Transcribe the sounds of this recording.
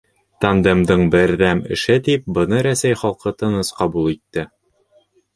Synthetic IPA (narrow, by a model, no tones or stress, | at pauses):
t̪ɒnd̪ɤ̆md̪ɤɴbɘɾːæmɘ̰̆ʃɘt̪ip̚bɤ̆nɤɾæsæjχɒlˠqʰɤt̪ɤ̆nɤsqɒbulˠit̪ːɘ